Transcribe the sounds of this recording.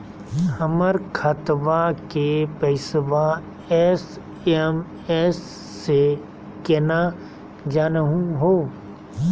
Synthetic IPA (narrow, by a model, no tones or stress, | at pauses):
həməɾkʰət̪bakepɛɪsba | ɛs | em | ɛːsː | e | kena | d͡ʒaːnəɦũɦoː